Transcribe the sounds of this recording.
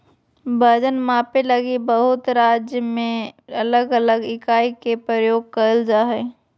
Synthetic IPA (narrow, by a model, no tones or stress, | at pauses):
bəd͡ʒənmãːpelɐɡibəɦʊt̪ɾaːd͡ʒjəmẽɐləɡələɡɪkaːikepɾəjoːɡ̚kəld͡ʒaɦɛː